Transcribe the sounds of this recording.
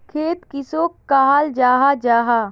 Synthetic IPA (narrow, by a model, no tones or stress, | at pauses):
kʰeːt̪kɪsoːkːaːɦaːld͡ʒaːɦad͡ʒaːɦaː